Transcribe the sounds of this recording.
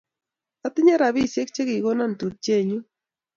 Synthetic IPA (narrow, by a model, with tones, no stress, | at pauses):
a˦t̪ɪ˦ɲa˦ɾa˨βi˦sje˦k̚t͡ʃe˦ki˨ɡo˦na˦n˨tu˨t͡ʃe˦˨ɲu˦